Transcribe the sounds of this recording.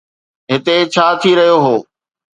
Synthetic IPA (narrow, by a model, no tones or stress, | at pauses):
ɦɪt̪et͡ɕʰaːt̪ʰiɾɐɦijoɦoː